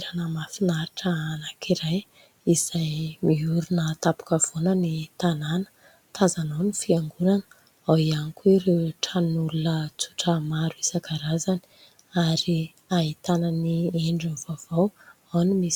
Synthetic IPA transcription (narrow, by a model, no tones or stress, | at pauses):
ɾanəmafinaɾiʈ͡ʂəanakʰiɾaj | iz̥ajmiuɾunət̪apu̥kəv̥onənit̪ananə̥ | t̪ʰazanawnifiaŋɡuɾanə | awianikʲuiɾewʈ͡ʂʰanulunət͡su̥ʈ͡ʂəmaɾuisaɡaɾazani̥ | aɾi | ait̪anənieɳɖ͡ʐanvav̥aw | awnimis